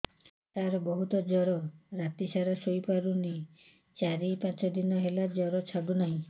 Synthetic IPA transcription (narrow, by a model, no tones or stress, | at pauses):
t̪aɾɔbɔɦut̪ɔd͡ʒɔɾɔɾat̪isaɾɔsojpaɾuni | t͡ʃaɾipãt͡ʃɔd̪inɔɦelad͡ʒɔɾɔt͡ʃʰaɡunaɦĩ